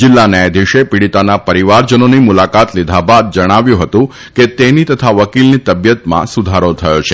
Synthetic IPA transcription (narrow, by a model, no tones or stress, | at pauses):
d͡ʒɪlːaned̪ʱiʃepiɽit̪anapəɾiʋaɾd͡ʒənonimulakat̪lid̪ʱabad̪̚d͡ʒəɽ̃aʋjũɦət̪ũ | ket̪enit̪ət̪ʰaʋəkilnit̪əbjət̪mã̰sud̪ʱaɾot̪ʰəjot͡ʃʰe